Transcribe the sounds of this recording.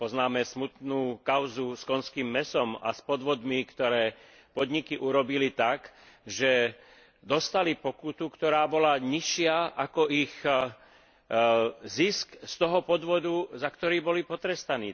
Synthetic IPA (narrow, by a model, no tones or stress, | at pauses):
pɔznaːmɛsmut̪nuːkaʊzuskɔnskiːmːɛsɔma̰spɔd̪ʋɔd̪mikt̪ɔɾɛː | pɔd̪ɲikiʔuɾɔbilit̪ak | ʒɛ | d̪ɔst̪alipɔkut̪ukt̪ɔɾaːbɔlaɲiʃɪaʔakɔʔix | ziskst̪ɔɦɔpɔd̪ʋɔd̪uzakt̪ɔɾiːbɔlipɔt̪ɾɛst̪aniː